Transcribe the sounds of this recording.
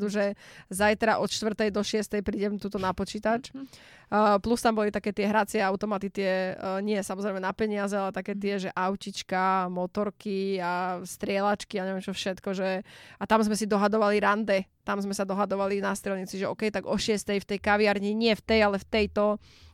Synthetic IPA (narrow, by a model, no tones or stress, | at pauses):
d̪uʒɛzajt̪ɾaʔɔt̪ʃt̪ʋr̩t̪ɛjd̪ɔʃɪɛst̪ɛjpɾiːɟɛmt̪uːt̪ɔnapɔt͡ʃiːt̪at͡ʃː | plust̪ambɔlit̪akɛːt̪ɪɛɦɾat͡sɪɛaʊt̪ɔmat̪it̪ɪɛɲɪɛsamɔzɾɛjmɛnapɛɲɪazɛalɛt̪akɛːt̪ɪɛʒɛʔaʊcit͡ʃkamɔt̪ɔɾkiast̪ɾɪɛlat͡ʃkiaɲɛʋɪɛmt͡ʃɔfʃɛt̪kɔʒɛat̪amzmɛsid̪ɔɦad̪ɔʋaliɾand̪ɛt̪amzmɛsad̪ɔɦad̪ɔʋalinast̪ɾɛlɲiːt͡siʒɛɔ̰ːkɛjt̪aɡɔʃɪɛst̪ɛjft̪ɛjkaʋiaɾɲiɲɪɛft̪ɛjalɛft̪ɛjt̪ɔ